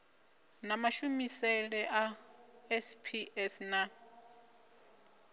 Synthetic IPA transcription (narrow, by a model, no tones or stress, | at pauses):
namaʃumisɛlɛʔaɛspʰiɛsna